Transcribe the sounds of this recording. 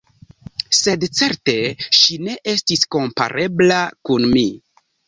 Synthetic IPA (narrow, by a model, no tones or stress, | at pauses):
se̞dt͡se̞ɾte̞ʃine̞ʔe̞stisko̞mpa̰ɾʔe̞blakunmi